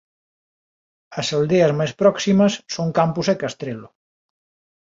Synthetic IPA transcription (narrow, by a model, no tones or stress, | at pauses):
ɐsald̪eɐzmajspɾɔksimɐsːoŋkampuzekast̪ɾelʊ